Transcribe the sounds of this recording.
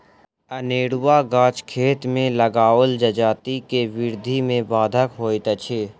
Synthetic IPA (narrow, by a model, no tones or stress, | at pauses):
əneːɽwaɡãːt͡ʃkʰeːt̪mẽləɡaːəld͡ʒəd͡ʒaːt̪ikeʋɪɾd̪ʱimẽbaːd̪ʱəkɦoːit̪ət͡ʃʰeː